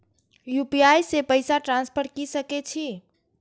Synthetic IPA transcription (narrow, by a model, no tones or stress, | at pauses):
jupiajsepəjsaʈɾãnspʰəɾkisəkɛt͡ʃʰi